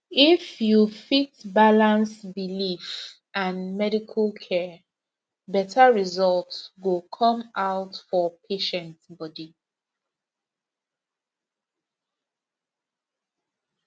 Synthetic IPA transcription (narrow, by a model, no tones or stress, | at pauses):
ifjufitbalãnsbilif | ãnmɛɾikʰəlkʰɛ | bɛtʰəɹizɔltwukʰɔ̃maʊtfɔpʰeʃɛ̃ntbɔdi